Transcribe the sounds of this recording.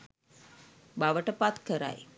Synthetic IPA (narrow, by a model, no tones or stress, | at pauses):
baʋəʈəpat̪kəɾa̰j